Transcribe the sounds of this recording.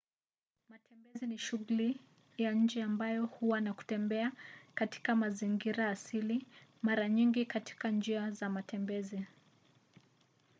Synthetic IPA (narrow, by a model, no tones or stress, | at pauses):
matʰɛmbɛziniʃuɣuli | jaɲ̩d͡ʒɛambajɔhuwanaku̥tɛmbɛakati̥kamaziŋɡiɾaːsilimaɾaɲiŋɡikati̥kand͡ʒiazamatɛmbɛzi